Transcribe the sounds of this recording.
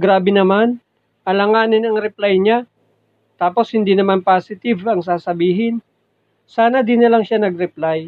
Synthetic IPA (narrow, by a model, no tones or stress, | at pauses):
ɡɾaːbɪnɐman | ʔɐlɐŋaːnɪnɐŋɾɛplajɲa | t̪aːpo̞shɪnd̪inɐmanpaːsɪt̪ɪvɐŋsaːsɐbiːɦɪn | saːnɐd̪inɐlaŋʃanɐɡɾɛplaj